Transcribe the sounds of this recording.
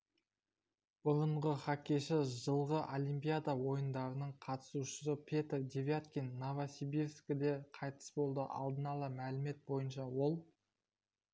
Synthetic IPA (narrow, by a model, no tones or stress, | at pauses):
b̥ʊɾəɴʁəχakʲeʃɪʒəlˠʁəʔolʲijmpʲijad̪awo̞jənd̪ɑɾənəɴqʰɑt̪ə̥suʃə̥səpʲʰe̞t̪rd̪ʲevʲjat̪kʲinːovasibiɾskʲɪd̪e̞qʰɑjt̪ə̥sbo̞lˠd̪əʔɑ̰lˠd̪ənɑlˠəmælɪme̞t̪̚bo̞jənʃɑwo̞lˠ